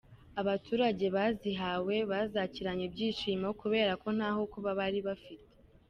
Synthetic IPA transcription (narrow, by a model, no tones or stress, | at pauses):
aβatuːɾaɟe̞βaːziɦawe̞βaːzaciɾaɲebɟiːʃiːmaokuβe̞ːɾako̞n̥aːɦokuβaβaɾiβafite